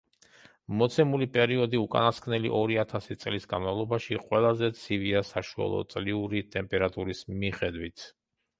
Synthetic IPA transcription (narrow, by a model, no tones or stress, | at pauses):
mɔt̪sʰɛmulipʼɛɾiɔd̪iukʼa̰naskʰnɛlḭʔɔɾiat̪ʰasit̪sʼlisɡanmavlˠɔbaʃiqʼwɛlˠazɛt̪sʰiviasaʃua̰lˠɔ̰t̪sʼliuɾit̪ʼɛmpʼɛɾat̪ʼuɾismiχɛd̪wit̪ʰ